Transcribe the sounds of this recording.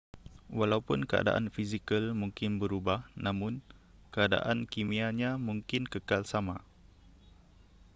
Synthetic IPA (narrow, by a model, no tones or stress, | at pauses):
walaupʊnkəa̰da̰ʔa̰nfizikəlmuŋkɪnbəɾubahnãmʊn | kəada̰ʔankimiaɲamũŋkɪnkəkalsama